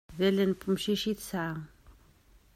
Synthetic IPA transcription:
ðelenpʰumʃiʃit̪sa

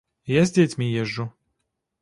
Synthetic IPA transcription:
jazʲdʲɛt͡sʲmʲijɛʒːu

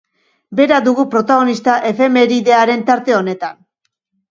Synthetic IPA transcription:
be̞ɾaðuɣupɾo̞t̪aɣ̞o̞nist̪aʔe̞fe̞me̞ɾiðe̞aɾe̞nt̪aɾt̪e̞o̞ne̞t̪an

